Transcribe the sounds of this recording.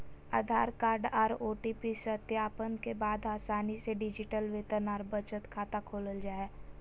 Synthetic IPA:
a̰ːd̪ʱaːɾkaːɾɖaːɾoːʈipisət̪jaːpənkebaːd̪aːsaːniseɖɪd͡ʒɪʈəlʋeːt̪ənaːɾbət͡ʃət̪kʰaːt̪akʰoːləld͡ʒaːɛː

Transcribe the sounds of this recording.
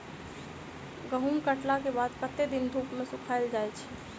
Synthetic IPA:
ɡəɦumkəʈlakebad̪kət̪ːed̪ind̪ʱupmesukʰaɪld͡ʒajt͡ʃʰɛ̥

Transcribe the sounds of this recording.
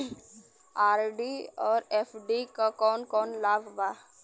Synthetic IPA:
aːɾɖiɔːɾeːfʰɖikakɔːnkɔːnlaːʋba

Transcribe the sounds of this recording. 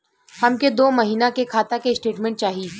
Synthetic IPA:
hɐmked̪oːmɐɦiːnakekʰaːt̪akesʈeːʈmɛ̃ːɳʈ̚t͡ʃaːɦi

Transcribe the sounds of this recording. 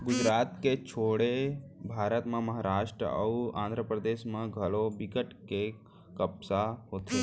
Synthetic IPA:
ɡʊd͡ʒɾaːt̪ket͡ʃʰoːɽebʱaːɾət̪mẽməɦaɾaːʃʈɾə̰ə̰uã̰ːnd̪ʱɾəpɾəd̪eːʃmẽɡʱəlobɪkəʈke | kəbsaɦoːt̪e

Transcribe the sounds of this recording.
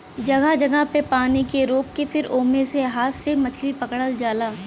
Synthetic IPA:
d͡ʒɐɡəd͡ʒɐɡəɦpepaːnikeɾoːkːefɪɾoːmẽseɦaːt̪semɐt͡ʃʰlipɐkɽəld͡ʒaːlaː

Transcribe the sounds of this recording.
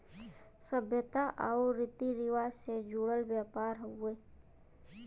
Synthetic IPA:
səbʱjət̪aʔaoɾɪt̪iɾɪwaːsed͡ʒoːɽəlbjaːpaːɾɦueː

